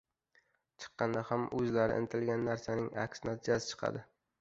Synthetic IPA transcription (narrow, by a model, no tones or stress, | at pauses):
t͡ʃʰɨ̥qːɑnd̪ahamʔɵzlaɾɪ̰ʔɪ̰nt̪ʰɪlɡʲanːaɾsanɪŋa̰kʲsnat̪ʰɪd͡ʒasɪ̥t͡ʃʰɨ̥qʰɑ̰d̪ɪ